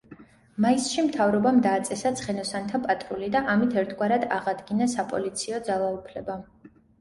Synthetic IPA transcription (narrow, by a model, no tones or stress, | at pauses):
maisʃimt̪ʰavɾɔbamd̪aːt̪sʼɛsat̪sʰχɛnɔsant̪ʰapʼat̪ʼɾulid̪aʔamit̪ʰɛɾt̪ʰɡwaɾad̪aʁad̪ɡinasapʼɔ̰lit̪sʰiɔd̪zalˠaupʰlɛba